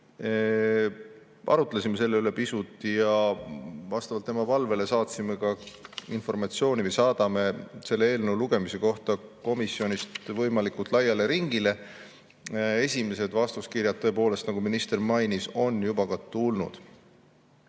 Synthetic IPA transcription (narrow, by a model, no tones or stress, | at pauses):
ʔɑ̰ɾut̪ˑlesʲime̞se̞lːe̞yle̞pisut̪ːˑijɑ | vɑst̪ɑvɑlt̪ːe̞mɑpɑlve̞le̞sɑːt̪sime̞kɑinfo̞rmɑt̪sio̞ːnʲivɤjsɑːd̪̥ɑme̞se̞lːe̞e̞ːlneuluɡ̥e̞mise̞ko̞ht̪ɑko̞misːio̞nist̪vɤjmɑlikult̪ˑlɑjːɑleɾiŋɡ̥ile̞ | e̞sʲime̞se̞d̪̥vɑst̪uskirjɑd̪̚t̪ːɤ̞ep̬o̞ːle̞st̪nɑɡuminist̪e̞rmɑjniso̞njubɑkɑt̪ulnṵd̪̥